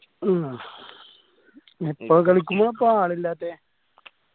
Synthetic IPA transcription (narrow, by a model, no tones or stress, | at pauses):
ipːoːkɐɭikʲːumːoːɐpːoːaːɭilːaːt̪ːeː